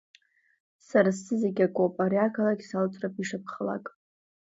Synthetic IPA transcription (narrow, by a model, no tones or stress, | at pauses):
saɾasɨzeɡʲakʷʼopʼaɾiakʰalaɡʲsalt͡sʼrapʼiʂap̚ʰχəla̰kʼ